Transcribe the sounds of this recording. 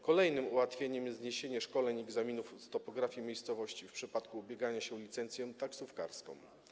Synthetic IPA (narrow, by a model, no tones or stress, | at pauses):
kɔlɛjnɘmuwat̪fʲjeɲɛmjɛzɲeɕeɲɛʂkɔlɛɲɛɡzamʲinufst̪ɔpɔɡɾafʲjimʲejst̪sɔvɔɕt͡ɕifpʂɘpat̪kuːbʲjeɡaɲaɕɛlʲit̪sɛnt̪sʲjɔw̃t̪aksufka̰ɾskɔ̰̃w̃